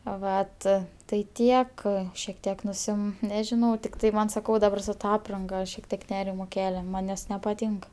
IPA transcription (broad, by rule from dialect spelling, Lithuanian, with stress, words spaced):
ˈʋɐt tɐɪ ˈtʲiɛk ʃʲiɛk ˈtʲiɛk nʊˈsʲɪm nʲɛʒʲɪˈnɐʊ tʲɪkˈtɐɪ ˈmɐn sɐˈkɐʊ dɐˈbɐr sʊ ˈtɐ ˈɑːprɐŋɡɐ ʃʲiɛk ˈtʲiɛk ˈnʲæːrʲɪmoː ˈkʲæːlʲɛ mɐnʲ nʲɛs nʲɛpɐˈtʲiːŋk